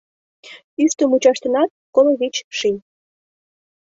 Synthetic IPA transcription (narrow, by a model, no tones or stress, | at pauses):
yʃt̪əmut͡ɕɑʃt̪ə̆nɑt̪̚koloβʲit͡ɕʃinʲ